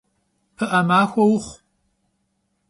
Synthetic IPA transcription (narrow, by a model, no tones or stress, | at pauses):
pʰɨʔɐmaːxʷɔwʊχʷ